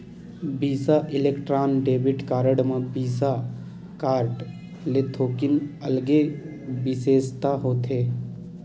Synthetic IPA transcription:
biːsaʔɪlekʈɾaːnɖeːbɪʈkaːɾəɖmãbiːsa | kaːɾʈ | let̪ʰoːkɪnɐlɡe | bɪseːst̪aɦoːt̪ɦeː

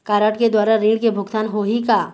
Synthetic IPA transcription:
kaːɾaːʈked̪waːɾaɾĩːɖkebʱʊɡt̪aːnɦoɦikaː

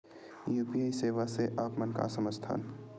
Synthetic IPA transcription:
juːpiaːiseːʋaseʔaːpmənka̰səməd͡ʒt̪ʰa̰ːn

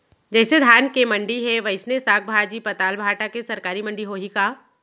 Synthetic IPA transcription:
d͡ʒɛːsed̪ʱjaːnkemɐ̃ɳɖiɦeʋɐɪsnesaːk̚bʱaːd͡ʒiːpɐt̪aːlbʱaːʈakesɐɾkaːɾimɐ̃ɳɖiɦoɦikaː

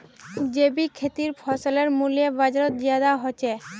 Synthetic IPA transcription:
d͡ʑebikʰet̪iɾfʰɔsoleɾmuliebad͡ʑaɾot̪̚d͡ʑiad̪aɦot͡ɕʰe

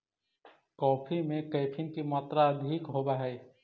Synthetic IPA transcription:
kɔːpʰimẽkɐːpʰɪnkimaːt̪ɾaɐd̪ʱiːkɦoːbaɦɛː

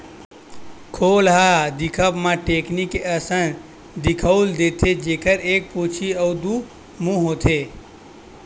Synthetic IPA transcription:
kʰoːlɦad̪ɪkʰəbmãʈeːknikeəsən | d̪ɪkʰəwld̪eːt̪ʰed͡ʒeːkəɾeːk̚pot͡ʃʰiɔːd̪u | mũɦot̪ʰe

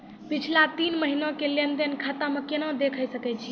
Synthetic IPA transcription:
pit͡ʃʰlat̪inməɦinokelend̪enkʰat̪amekenɔ̃d̪ekʰəjsəkɛt͡ʃʰi

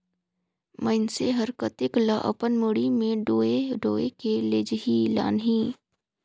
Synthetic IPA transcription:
məɪnseɦəɾkət̪ɪklaʔə̰pənmoɽimẽɖoeɖoːekeleːd͡ʒɦila̰ːnɦiː

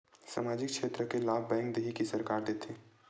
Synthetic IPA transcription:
sa̰maːd͡ʒɪk̚ʃʰeːt̪ɾəkelaːbbɛ̃ːŋkd̪eɦikisəɾkaːɾd̪eːt̪ʰe

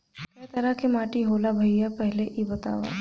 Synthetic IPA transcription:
kɐjt̪ɐɾakʰemaːʈiɦoːlabʱɐiɦapɛɦleʔibɐt̪a̰ːʋa̰

